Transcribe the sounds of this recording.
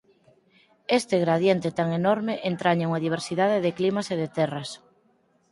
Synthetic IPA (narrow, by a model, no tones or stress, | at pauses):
est̪eɣɾaðjent̪ɪt̪aŋenɔɾmeʔent̪ɾaɲauŋaðiβ̞eɾsiðaðeðɪklimɐseðet̪ɛrɐs